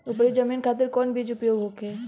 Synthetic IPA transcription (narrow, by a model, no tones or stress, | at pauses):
ʊpɾed͡ʒɐmiːnkʰaːt̪̬ɪɾkɔːnbʱiːd͡ʒʊpjoːɡɦoːke